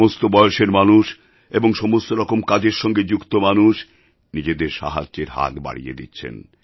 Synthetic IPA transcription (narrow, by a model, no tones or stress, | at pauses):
ost̪obɔeoʃeɾmanuʃ | eboŋʃɔmost̪oɾɔkomkad͡ʑeɾʃɔŋɡed͡ʑukt̪omanuʃ | nid͡ʑed̪eɾʃa̰ɦa̰d͡ʑd͡ʑeɾɦa̰t̪ba̰ɽḭjḛd̪itːɕʰḛn